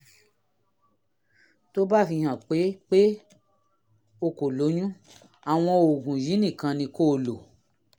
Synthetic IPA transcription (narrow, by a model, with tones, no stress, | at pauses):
to˦ba˦˨fĩ˧hã˨k͡pe˨˦k͡pe˦ | o˧˨ko˨lo˨˦ɲũ˦ | a˨w̃ɔ̃˧o˨ɡũ˨ji˨˦nĩ˦˨kã˧nĩ˧ko˦˨lo˨